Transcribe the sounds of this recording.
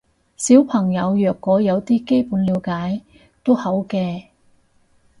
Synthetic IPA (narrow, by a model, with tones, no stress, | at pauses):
siː˨˥wpʰɐ˨˩ŋjɐ˨˧wjœː˨˩kːɔː˨˥jɐ˨˧wt̪iː˥ke˥jpuː˨˥nliː˨˧wkaː˨˥j | t̪o˥whɐ˨˥wkɛː˧